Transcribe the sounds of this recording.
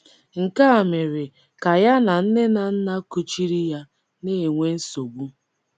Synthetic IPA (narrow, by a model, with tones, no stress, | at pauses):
ŋ̩˨ka˦a˨me˨ɾɪ˨ | ka˨ja˦na˨n̩˦ne˦na˨n̩˦na˦ku˦t͡ʃi˦ɾi˦ja˦ | ne˦e˨ŋʷe˦n̩˦so˨ɡ͡bu˦